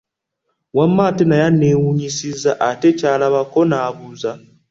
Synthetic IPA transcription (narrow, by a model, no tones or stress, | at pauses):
wamːaːtenajanːe̞ːwuɲisizaʔate̞caːlaβako̞naːβuza